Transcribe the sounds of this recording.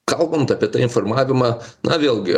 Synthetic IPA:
kɐlˠbɐnt̪ɐːpʲiɛt̪ɑːɪnformɑːʋʲɪmɑːnʔɐ̰ʋʲeːlˠɡʲɪ

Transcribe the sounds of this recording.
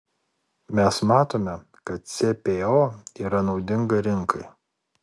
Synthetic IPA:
mʲɛsmɑːt̪oːmʲɛ | kɐt̪̚sʲepʲeoːiːɾɐnɒʊd̪ʲɪŋɡɐɾʲɪŋkʰɐɪ

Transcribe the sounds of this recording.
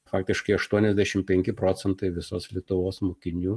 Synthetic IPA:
fɑːk̚t̪ʲɪʃkɐɪɐʃt̪uɔnʲɛzʲd̪ʲæʃʲɪmpʲɛŋʲkʲɪpɾoːsʲɛnt̪ɐɪʋʲɪsoːslʲiɛt̪ʊʋoːsmoːkʲɪnʲuː

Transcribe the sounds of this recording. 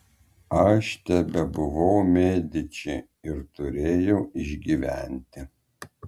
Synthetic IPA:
ɐʃt̪ʲɛbʲɛbʊʋɐʊmʲeːd̪ʲɪt͡ʃʲɪ | ɪɾt̪ʊɾʲeːjɛʊɪʒʲɡʲiʋʲæ̰nʲt̪ʲɪ

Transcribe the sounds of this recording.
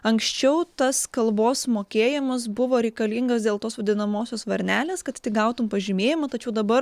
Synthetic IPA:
ɐŋksʲt͡ʃʲɛʊt̪ɐskɐlˠboːsmoːkʲeːjɪmɐs̬bʊʋoːɾʲɛɪkɐlʲiːŋɡɐsd̪ʲeːlˠt̪oːsʋɐd̪ʲɪnɐmoːsʲoːsʋɐɾʲnʲæːlʲeːskɐt̪t̪ʲɪɡɐʊt̪ʊmpɐʒʲɪmʲeːjɪmɐt̪ɐt͡ʃʲɛʊd̪ɐbɐɾ

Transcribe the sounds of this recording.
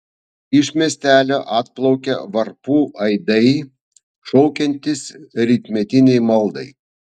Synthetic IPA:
ɪʃmʲiɛsʲt̪ʲæːlʲoːʔɑːt̪̚plˠɒʊkʲɛ̰ʋɐɾpuːʔɐɪd̪ɐɪ | ʃɔʊkʲɛnʲt̪ʲɪsɾʲɪːt̪ʲmʲɛt̪ʲɪnʲɛɪmɐlˠd̪ɐɪ

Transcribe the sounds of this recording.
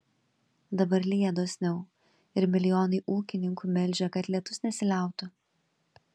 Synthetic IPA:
d̪ɐbɐɾlʲiːɛd̪oːsʲnʲɛʊ | ɪɾmʲɪlʲɪjoːnɐɪʔuːkʲɪnʲɪŋkuːmʲɛlʲd͡ʒʲɛkɐt̪lʲiɛt̪ʊsnʲɛsʲɪlʲæˑʊt̪ʊ

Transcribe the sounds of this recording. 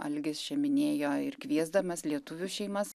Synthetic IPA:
ɐ̰lʲɡʲɪst͡ʃʲɛmʲɪnʲeːjoːɪɾkʋʲiɛzd̪ɐmɐslʲiɛt̪ʊʋʲuʃʲɛɪmɐs

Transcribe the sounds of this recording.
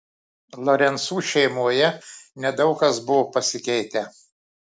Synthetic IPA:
lˠɔɾʲɛnsuːʃʲɛɪmuɔjɛnʲɛd̪ɒʊkɐsbʊʋopɐsʲɪkʲɛɪt̪ʲɛ

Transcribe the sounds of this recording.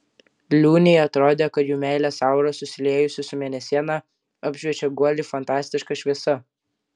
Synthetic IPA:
lʲuːnʲɛjɐt̪ɾoːd̪ʲeːkɐt̪juːmʲæˑɪlʲeːsɑˑʊɾɐsʊsʲɪlʲeːjʊsʲɪsʊmʲeːnʲɛsʲiɛnɐ | ɐbʲʒʲʋʲiɛt͡ʃʲɛɡuɔlʲɪfɐnt̪ɑːsʲt̪ʲɪʃkɐʃʲʋʲiɛsɐ

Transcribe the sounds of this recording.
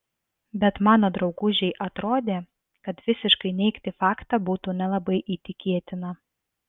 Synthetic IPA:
bʲɛt̪mɑːnoːd̪ɾɒʊɡʊʒʲɛɪʔɐt̪ɾoːd̪ʲeː | kɐt̪ʋʲɪsʲɪʃkɐɪnʲɛɪkt̪ʲɪfɑːkt̪ɑbuːt̪uːnʲɛlˠɐbɐɪʔiːt̪ʲɪkʲiɛt̪ʲɪnɐ

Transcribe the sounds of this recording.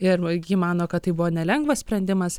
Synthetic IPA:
ɪɾɡʲimɑːnoːkɐt̪t̪ːɐɪbʊʋoːnʲɛlʲɛŋɡʋɐssʲpʲɾʲɛnʲd̪ʲɪmɐs

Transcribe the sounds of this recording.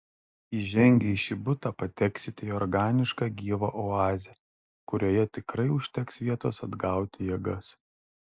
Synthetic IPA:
iːʒʲɛŋʲɡʲɛiʃʲɪbʊt̪ɑːpɐt̪ʲɛksʲɪt̪ʲeɔɾɡɑːnʲɪʃkɑɡʲiːʋɐːʔɔɑːzʲɛ | kʊɾʲoːjɛt̪ʲɪkɾɐɪʊʃʲt̪ʲɛksʋʲiɛt̪oːsɐd̪ɡɑˑʊt̪ʲɪjɛɡɐs

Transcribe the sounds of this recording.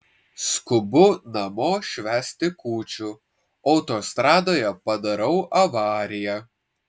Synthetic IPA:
skʊbʊnɐmoːʃʲʋʲæːsʲt̪ʲɪkuːt͡ʃʲu | ɐʊt̪oːst̪ɾɑːd̪oːjɛpɐd̪ɐɾɐʊʔɐʋɑːɾʲɪjɛ

